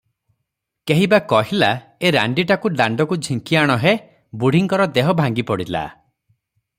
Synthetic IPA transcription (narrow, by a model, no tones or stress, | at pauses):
keɦibakɔɦila | eɾa̰ɳɖiʈakuɖaɳɖɔkud͡ʒʱiŋkiaɽ̃ɔɦe | buɽ̤ʱiŋkɔɾɔd̪eɦɔbʱaŋɡipɔɽila̰